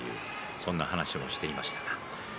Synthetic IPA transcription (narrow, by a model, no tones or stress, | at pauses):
jɯ̟̰ː | sõ̞nːahanaɕimo̞ɕi̥t̪e̞imaɕi̥t̪ḁɡa